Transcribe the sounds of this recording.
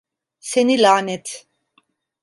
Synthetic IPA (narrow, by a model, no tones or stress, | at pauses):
sɛnilaːnɛt̪ʰ